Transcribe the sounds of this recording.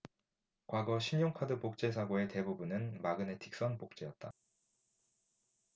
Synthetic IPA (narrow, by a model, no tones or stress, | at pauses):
kwaɡʌɕʰiɲjoŋkʰadɯpok̚t͡ɕ͈e̞s̬ʰaɡoe̞te̞bubunɯnmaɡɯne̞tʰi̥k̚s͈ʌnpok̚t͡ɕ͈e̞jʌt̚t͈a